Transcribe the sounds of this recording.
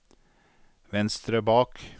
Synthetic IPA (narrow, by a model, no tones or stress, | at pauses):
ʋɛnst̪ɾəbɑːk